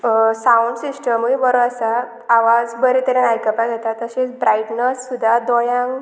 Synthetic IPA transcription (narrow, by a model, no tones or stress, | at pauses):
sauɳɖsisʈəmujbəɾoəsa | aʋad͡zbəɾet̪əɾenajkəpad͡zat̪at̪əɕet͡sbɾaiʈnəsːud̪ʱad̪ɔjãŋɡ